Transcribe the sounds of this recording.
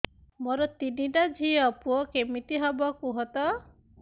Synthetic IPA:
moɾɔt̪iniʈad͡ʒʱiɔpuɔkemit̪iɦɔbɔkuɦɔt̪ɔ

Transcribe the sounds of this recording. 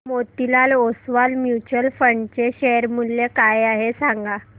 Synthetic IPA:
mot̪ilalosʋalmjut͡ɕəlfəɳɖt͡ɕeɕeɾmulːekajaɦesaŋɡa

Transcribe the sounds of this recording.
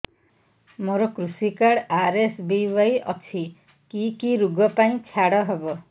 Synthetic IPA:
moɾɔkɾusikaɽaɾesbiwajɔ̰t͡ʃʰi | kikiɾuɡʱɔpaĩt͡ʃʰjaɽɔɦebɔ

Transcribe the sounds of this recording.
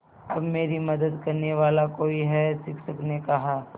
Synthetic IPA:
ɐbmeːɾimɐd̪əd̪kɐɾneʋaːlakoːiɦɛsɪkʰsɐknekɐɦaː

